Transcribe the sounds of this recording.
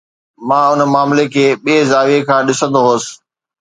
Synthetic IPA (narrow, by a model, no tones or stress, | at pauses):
mãːʊnəmaːmlekʰeːɓiːzaːʋekʰãːɗɪsə̃nd̪oɦoːsɪ̥̆